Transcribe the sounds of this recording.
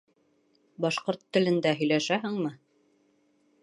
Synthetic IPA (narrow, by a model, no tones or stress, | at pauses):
bɑʃqoɾt̪ːɘ̆lɘ̆nd̪æɦɵ̆jlæʃæɦɘŋmɤ